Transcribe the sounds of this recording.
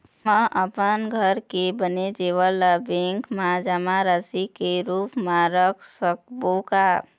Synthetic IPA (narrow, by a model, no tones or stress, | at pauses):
məʔəpənɡʱəɾkebəned͡ʒeʋələbẽŋkmãd͡ʒamaɾəsikeɾuːpmãɾəkʰsək̚boka